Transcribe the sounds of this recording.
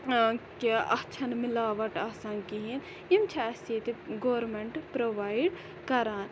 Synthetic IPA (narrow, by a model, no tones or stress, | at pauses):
keɐ̰t͡ʃʰɐnmilaːʋɐʈaːsaːnkiɦin | imt͡ʃʰɐɐset̪iɡoːɾmeɳʈpɾoʋaːiɖ | kɐɾaːn